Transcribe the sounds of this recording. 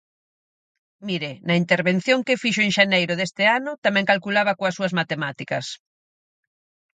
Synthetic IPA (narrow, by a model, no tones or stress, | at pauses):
miɾenɐint̪eɾβen̟θjoŋkɪfiʃoeŋʃanejɾʊðest̪ɪanʊt̪amɛ̃ŋkalkulaβɐkoɐsuɐzmat̪emat̪ikɐs